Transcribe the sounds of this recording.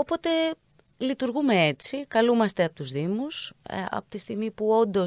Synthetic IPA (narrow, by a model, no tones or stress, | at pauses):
o̞po̞t̪e̞ | lit̪uɾɣume̞e̞t͡sikɐlumɐst̪e̞ɐpo̞t̪uzðimusɐ̰po̞t̪ist̪iɣmipuo̞nd̪o̞